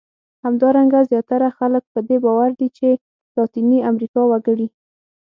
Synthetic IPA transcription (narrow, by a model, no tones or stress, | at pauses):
hamd̪ɑɾaŋɡazjɑt̪aɾaxalək̚pəd̪ebɑwaɾd̪it͡ʃe | lɑt̪iniamɾikɑwaɡəɽi